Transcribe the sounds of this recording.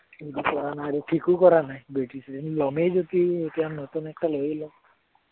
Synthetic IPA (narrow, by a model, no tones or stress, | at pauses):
edipɔɾanaːɾiʈʰikukɔɾanaj̃beʈisʰit̪inilɔmejd͡ʒot̪iet̪iannɔt̪unɛk̚ʈalojilɔ